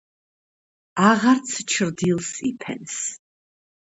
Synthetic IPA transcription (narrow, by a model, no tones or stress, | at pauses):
aʁaɾt̪sʰt͡ʃʰɾd̪ilˠsipʰɛ̰ns